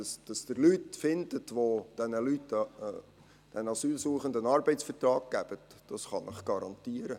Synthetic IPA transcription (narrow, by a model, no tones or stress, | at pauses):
ɑsd̥ɑsd̥əɾlytfɪndətʋod̥ɛnəlytː | d̥ɛnɑsyːlsuːəχəndənɑɾbɛɪtsfətrɑːɡ̚ɡ̥æb̥ətd̥ɑsχɑnʔəχɡ̥ɑɾɑntiəɾə